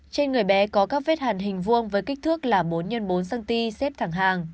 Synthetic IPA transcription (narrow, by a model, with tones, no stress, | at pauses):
t͡ɕe˧nŋɨ˨˩əjɓɛ˨˦kɔ˨˦kaː˦˥k̚ve˦˥t̚haː˨˩nɦï˨˩ŋ̟vu˧əŋvəː˨˦jka˦˥k̟̚t̪ʰɨ˦˥ək̚laː˨˩ɓo˨˦nɲə˧nɓo˨˦nsa˧ŋt̪i˧sɛ˦˥p̚t̪ʰaː˧˩ŋɦaː˨˩ŋ